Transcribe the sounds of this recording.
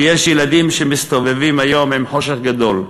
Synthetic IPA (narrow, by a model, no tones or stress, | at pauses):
jeʃjelad̪imʃemist̪ovevimajomimħo̞ʃeχɡad̪o̞l